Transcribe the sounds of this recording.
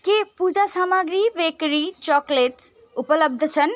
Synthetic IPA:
kepud͡ʒasaːmaɡɾiʋekɾit͡ʃɔkleʈ | upələb̚d̪ʱt͡ʃʰən

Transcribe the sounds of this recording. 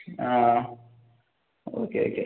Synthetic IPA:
a | o̰keo̰ke

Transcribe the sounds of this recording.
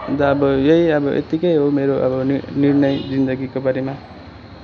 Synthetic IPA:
nd̪aːbʌjʌjʌbʌʔḛt̪ikʌjɦomeɾoʔʌ̰bʌnirnʌjd͡zind̪ʌɡikobʌɾima

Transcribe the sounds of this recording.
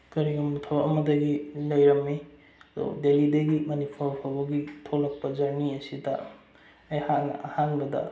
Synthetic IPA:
kɐɾiɡɐmutʰɔwɐmɐdɐɡilɐjɾɐmːi | do̰delidɐɡimɐnipʰawpʰabɐɡitʰolɐk̚pɐzaɾniɐsidɐː | jhanahaŋbɐdɐ̰

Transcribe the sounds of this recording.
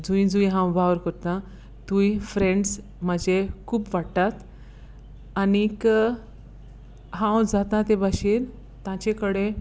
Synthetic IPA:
d͡zũjd͡zuj̃ɦãwbaʋɾkəɾt̪ã | t̪ũjfɾẽɳɖs | m̤əd͡ʑekʰuːpʋaɽt̪at̪ | anik | ɦãwd͡zat̪ãt̪ebʱaɕiːɾ | t̪ãt͡ɕekəɽe

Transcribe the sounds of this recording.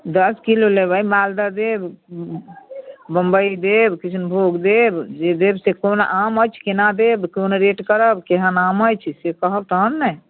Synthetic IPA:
d̪əskilolebʱaimald̪ad̪eb | bəmbəid̪ebkit͡ʃʰnbʱoɡd̪ebd͡ʒed̪ebsekonʔamət͡ʃʰkinad̪ebkonɾeʈkəɾəbkeɦənaməjt͡ʃʰsekəɦəb̚t̪əɦənːə

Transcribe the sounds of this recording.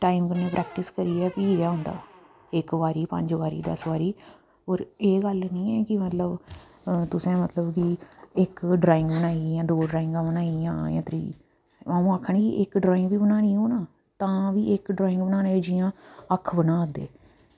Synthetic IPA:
ʈaːɪmkəɾnẽːpɾʔɛːkʈɪskəɾiːɛːpiːd͡ʒaːɦʊ̃ːnd̪a̰ː | ɪkʋaːɾiːpə̰̃ɲd͡ʒʋaːɾḭːd̪ə̰sʋaːɾiː | oːɾeːɡəlnĩːɛːkɪmət̪ləb | t̪ʊsẽːmət̪ləbkɪɪkɖɾaːɪ̃ŋɡbənaːiːjãːd̪oːɖɾaːɪŋɡãːbənaːijãːjã̰ːt̪ɾḭː | aːũːaːkʰəɳiːkḭʔɪkɖɾaːɪ̃ŋɡʋiːbənaːniːɦoːnãː | t̪ãːʋiːʔɪkɖɾaːɪ̃ŋɡbənaːneːd͡ʒijãːəkʰːbənãːd̪ḛː

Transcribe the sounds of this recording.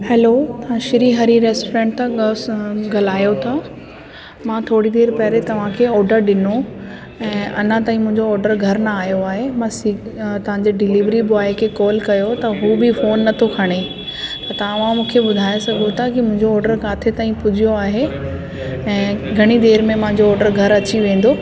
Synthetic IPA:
hɛːloːt̪ɐʋãʃɪɾiɦɐɾiɾeːsʈːɾẽːʈt̪ã | ɡɐlaːjot̪ʰa | mãːt̪ʰoːɽid̪eːɾpɐɦɾet̪ɐʋ̤ãkʰeːɔːɾɖəɾɗɪno | ɛ̃ːʔɐnə̃t̪aːĩmʊ̃ɦɪ̃ɲd͡ʑoɔːɾɖəɾɡʱɐɾnɐaːjoaːɦemãsit̪ɐʋ̤ãɲd͡ʑeɖɪliːʋɾibʊaːekʰekɔːlkɐjot̪ɐɦuːbɪfoːnːɐt̪ʰokʰɐɽ̃e | t̪ɐt̪ɐɐʋ̤ãmũːkʰeɓʊd̪ʱaːesɐɡʱot̪ʰakimʊ̃ɦɪ̃ɲd͡ʑoɔːɾɖəɾkaːt̪ʰet̪aːĩpʊd͡ʑʱijoaːɦe | ɛ̃ːɡʱɐɽ̃id̪eːɾmẽmɐ̃ɦɪ̃ɲ̆d͡ʑoɔːɾɖəɾɡʱɐɾɐt͡ɕiʋẽːn̆d̪oː

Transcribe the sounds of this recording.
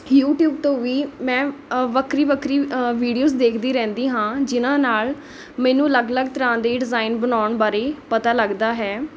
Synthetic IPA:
juːʈjuːb̚t̪õːʋiːmɛ̃ːʋəkʰɾiːʋəkʰɾiːʋiːɖijoːzd̪eːkʰd̪iːɾɛ̃ːnd̪iːɦãːd͡ʒɪnãːnaːl | mɛ̃ːnũːləɡləɡt̪əɾãːnd̪eːɖɪzaːɪnbənaːʊɳbaːɾeːpət̪aːləɡd̪aːɦɛː

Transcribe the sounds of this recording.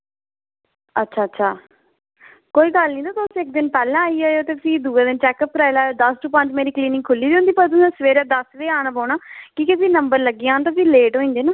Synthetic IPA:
ətːʃʰaːtːʃʰaː | koːiːɡəlnĩːd̪aːt̪aʊsɪk̚d̪ɪnpɛːlãːaːiːaːjoːt̪eːkɪsĩːd̪uːẽːd̪ɪnt͡ʃɛːkəp̚pɾaːɪlaːoːd̪əsʈupə̃ɲd͡ʒmeːɾiːkliːnɪ̃ŋkʰʊlːiːd̪õnd̪iːpəɾt̪̬ʊsẽːsəʋeːɾaːd̪əsʋeːaːnaːpɔːɳaːkikɪsiːnəmbəɾləɡːiãːnt̪̬apiːleːʈɦõːĩnd̪eːnaː

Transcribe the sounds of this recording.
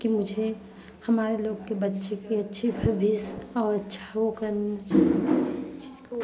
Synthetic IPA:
kimʊd͡ʒʱe | hɐmaːɾeloːɡkebɐtːʃekiɐtːʃʰibʱɐbʱisɔːɾɐtːʃʰḁokɐɾne

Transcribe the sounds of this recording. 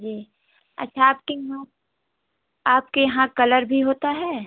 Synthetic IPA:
d͡ʒiː | ɐ̰tːʃʰaːp̚kejɐɦã | aːp̚kejɐɦãkɐləɾbʱiɦoːt̪aɦɛː

